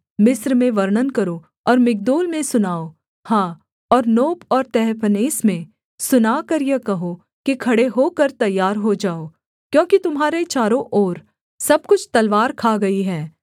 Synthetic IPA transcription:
mɪsɾmẽʋɐɾɳənkɐɾo | ɔːɾmɪk̚d̪oːlmẽsʊnaːo | hãː | ɔːɾnoːpɔːɾt̪ɛɦpəneːsmẽ | sʊnaːkɐɾjɐkɐɦo | kikʰɐɽeɦoːkɐɾt̪ɐjːaːɾɦod͡ʒaːo | kjõːkit̪ʊmɦaːɾet͡ʃaːɾõʔoːɾ | sɐb̚kʊt͡ʃʰt̪ɐlʋaːɾkʰaːɡɐiɦɛː

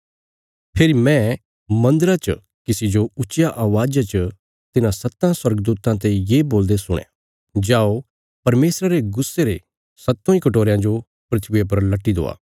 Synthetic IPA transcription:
pʰeɾimɛ̃ | mɐ̃nd̪əɾat͡ʃ | kɪsid͡ʒoʊt͡ʃːʃjaʔaːʋaːd͡ʒat͡ʃə | t̪ɪnãsɐt̪ːãswɐɾɡd̪uːt̪ãt̪̬ejeːboːld̪esʊɽ̃ḛ̃ | d͡ʒaːo | pɐɾmeːsɾaɾeɡʊsːeɾe | sɐt̪ːõːĩkɐʈoːɾejãd͡ʒo | pɾɐt̪ʰbep̬ɐɾlɐʈːid̪o̰ːa̰ː

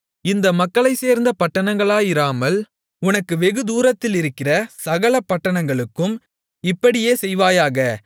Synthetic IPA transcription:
ɪnd̪ɐmɐkːɐɭɐɪseːɾnd̪ɐpɐʈːɐnɐŋɡɐɭaːjɪɾaːmɐl | ʊnɐkːɯʋɛɣɯd̪uːɾɐt̪ːɪlɪɾɯkːɪrɐsɐɣɐɭɐpːɐʈːɐɳɐŋɡɐɭɯkːɯm | ɪpːɐɽɪjeːsɛjʋaːjaːɣɐ

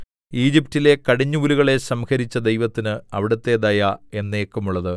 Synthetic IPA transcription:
iːd͡ʑip̚tile̞kɐɽiɲːuuliɣɐɭe̞sɐmxɐɾit͡ɕːɐd̪e̞jʋɐt̪ːinɨɐʋiɽɐt̪ːe̞d̪ɐjae̞nːeːkːumuɭːɐðɨ

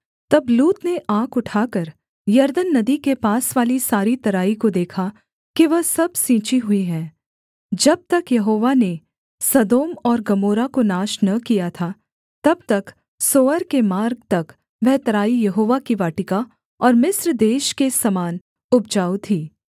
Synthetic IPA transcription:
t̪ɐbluːt̪neʔãːkʊʈʰaːkəɾ | jɐɾd̪ənːɐd̪ikepaːsʋaːlisaːɾit̪ɐɾaːikod̪eːkʰa | kiʋɐɦsɐbsĩːt͡ʃiɦʊiɦɛ̃ː | d͡ʒɐb̚t̪ɐkjɐɦoːʋane | sɐd̪oːmɔːɾɡɐmoːɾakonaːʃnɐkijat̪ʰaː | t̪ɐb̚t̪ɐk | soːəɾkemaːɾɡ̚t̪ɐk | ʋɛɦt̪ɐɾaːijɐɦoːʋakiʋaːʈɪka | ɔːɾmɪsɾd̪eːʃkesɐmaːn | ʊb̚d͡ʒaːut̪ʰiː

